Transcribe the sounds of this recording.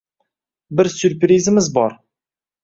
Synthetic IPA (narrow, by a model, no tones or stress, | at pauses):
bɪɾsʉɾpɾʲizəmɪzbɒɾ